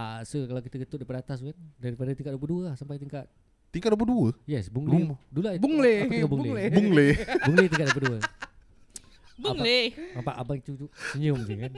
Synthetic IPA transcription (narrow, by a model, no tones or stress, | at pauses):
asukalawkit̪əɡət̪ʊt̚dajpadat̪as̬kandaɾipadat̪iŋkat̪̚duwəp̬uduəlahsampajt̪iŋkat̪̚ | t̪iŋkat̪̚duəp̬uduəjɛsbuŋdulabuŋleaaiŋkabuŋlebuŋlebuŋlet̪iŋkat̪̚duwəp̬uduə | buaŋeapaʔabaŋt͡ʃut̪usəɲəmsikan